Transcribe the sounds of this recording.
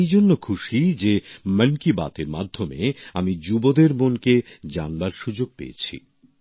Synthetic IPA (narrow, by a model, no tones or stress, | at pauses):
jd͡ʑonːokʰuʃid͡ʑemənkiba̰t̪eɾmad̪ʱːomeamid͡ʑubod̪eɾmonked͡ʑanbaɾʃud͡ʑoɡ̚pḛḛt͡ɕʰḭ